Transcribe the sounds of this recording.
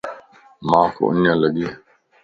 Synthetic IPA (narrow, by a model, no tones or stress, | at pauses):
maːkʰo̰ʔṵnalaɡi